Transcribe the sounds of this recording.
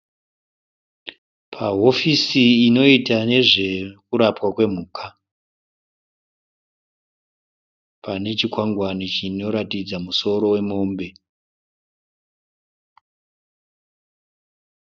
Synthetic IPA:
pʰaɦo̞fisiːno̞itane̞ʐe̞kuɾapwakwe̞m̤uːkʰa | pʰane̞t͡ʃikwaŋɡwanit͡ʃino̞ɾatid͡zamuso̞ɾo̞we̞mo̞mbe̞

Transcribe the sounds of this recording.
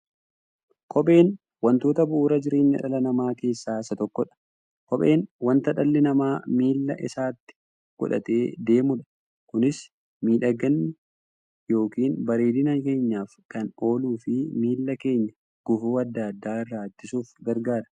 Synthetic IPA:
kʰɔɓe̞ːn | wɐnt̪o̞ːt̪ɐbʊʔuːɾɐd͡ʒɪɾe̞ːɲːɐ̰ᶑɐ̰lɐnɐmaːke̞ːsːaːɪsːɐt̪ɔkːɔᶑɐ̥ | kɔɓe̞ːnwɐnt̪ɐᶑɐlːɪnɐmaːmiːlːɐ̰ʔɪ̰saːt̪ːɪ̥ | ɡ̥ɔ̰ᶑɐ̰t̪e̞ːd̪e̞ːmʊᶑɐ̥ | kʊnɪs | miːᶑɐɡɐnːɪ | jo̞ːkiːnbɐɾe̞ːd̪ɪnɐke̞ːɲːaːfkɐno̞ːluːfɪmiːlːɐke̞ːɲːɐ | ɡ̥ʊfuːɐd̪ːaːd̪ːaːɪrːaːt̪ːɪsuːfɡɐɾɡaːɾɐ

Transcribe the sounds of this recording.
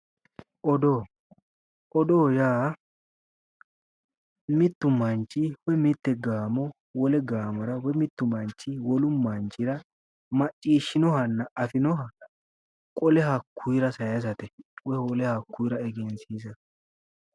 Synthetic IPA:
ʔɔd̪oː | ʔɔd̪oːjaː | mɪt̪ːʊmɐnt͡ʃʼːɪwɛmɪt̪ːɛɡaːmɔ | wɔlɛɡaːmɐɾɐwɛmɪt̪ːʊmɐnt͡ʃːɪwɔlʊmɐnt͡ʃʼːɪɾɐ | mɐt͡ʃʼːiːʃːɪnɔhɐnːɐʔɐfɪnɔɦɐ | kʼɔlɛhɐkːujɾɐsɐjɐs̬ɐt̪ɛwɛwɔlɛhɐkːujɾɐɛɡɛnsiːsɐt̪ɛ̥

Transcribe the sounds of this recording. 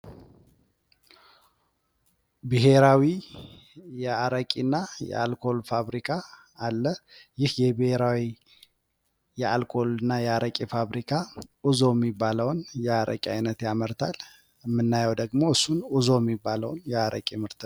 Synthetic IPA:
bɨɦe̞ɾawi | jɛaɾəkʼinːajɛ̰a̰lkʰo̞lfaβɾikʰaː | lːəjɪhjɛbɨheɾawi | jɛalkʰo̞lɨnːajɛaɾʔəkʼifaβɾikʰaɨzo̞jɛmːibːaləwnjɛaɾə̰kʼiajnət̪jaməɾt̪ʰal | mːɨnːajəwd̪əɡmo̞ɨsːunɨzo̞jɛmːibːaləwnjɛaɾʔə̰kʼimɨɾt̪ʰɨ

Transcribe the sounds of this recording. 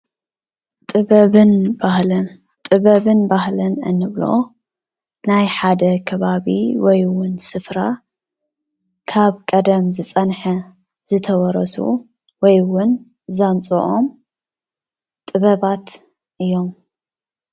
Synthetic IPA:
t̪ʼɨβɐβɨnbahlɐn | t̪ʼɨβɐβɨnbahlɐnɨ̰nːɨβlo̰ | najħad̪ɐkʰɐβaβḭwɔjwʊnsɨfɾa | kʰaβkʼɐd̪ɐmzɨt͡sʼɐnħɐ | zɨt̪ʰɐwɔɾɐsṵ | wɔjwʊn | zant͡sʼoʔom | t̪ʼɨβɐβat̪ | ʔɨjːo̞m

